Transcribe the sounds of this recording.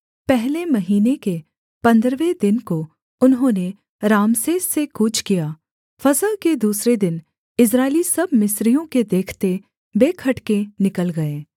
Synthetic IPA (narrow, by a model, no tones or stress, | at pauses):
pɛɦlemɐɦiːneke | pɐ̃nd̪ɾʋed̪ɪnko | ʊnɦõːne | ɾaːmseːssekʊt͡ʃʰkijaː | fɐzəlked̪uːsɾed̪ɪn | ɪs̬ɾaːɪlisɐbmɪsɾijõked̪eːkʰt̪e | beːkʰɐʈkẽnɪkəlɡɐeː